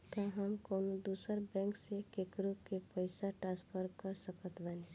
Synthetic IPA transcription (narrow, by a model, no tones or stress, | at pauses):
k̪aɦəmkoːnod̪uːsəɾbɛ̃ːŋksekekɾukepəɪsaʈɾãːspʰəɾkəɾsəkət̪bani